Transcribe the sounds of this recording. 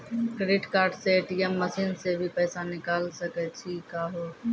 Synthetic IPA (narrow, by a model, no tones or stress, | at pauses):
kɾeɖiʈkaːɾɖseeʈiemːəsiːnsebʱipəɪsanɪkaːlsəkɛt͡ʃʰikaːɦo